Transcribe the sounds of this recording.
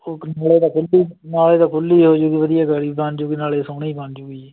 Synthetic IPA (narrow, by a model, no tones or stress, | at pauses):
oːnaːleːd̪aːkʰʊliːnaːleːd̪aːkʰʊlːiːɦoːd͡ʒoɡiːʋəd̪ɪjaːɡəɽiːbãnd͡ʒoɡiːnaːleːsoːneiːbãnd͡ʒʊɡiːɛː